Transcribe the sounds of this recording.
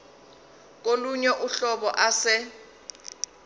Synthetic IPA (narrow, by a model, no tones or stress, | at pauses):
k̬ʼoluɲɛʔuɬɔɓɔʔasɪ